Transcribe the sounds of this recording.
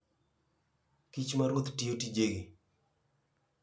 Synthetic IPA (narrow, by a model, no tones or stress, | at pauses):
kit͡ʃmaɾwot̪tiotid͡ʒeɡi